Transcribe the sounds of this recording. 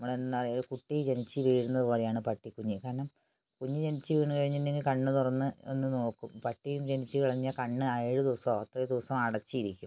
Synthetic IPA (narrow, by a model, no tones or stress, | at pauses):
nɐmːɐɭenːnːɐrijoɾukuʈːit͡ɕenit͡ɕːɨʋiːɽunːɐðɨpo̞ːrejaːɳɨpɐʈːikuɲːikaːɾɐɳɐm | kuɲːid͡ʑenit͡ɕːɨʋiːɳukɐɻiɲːindeŋɡilkɐɳːɨt̪urɐnːɨḛnːɨno̞ːkːumpɐʈːijumd͡ʑenit͡ɕːɨʋiɭɐɲːɐkɐɳːɨɐjiɽɨd̪iʋɐsɐmɐt̪ːrɐd̪uʋɐsɐmɐɽɐt͡ɕːiiɾikʲːum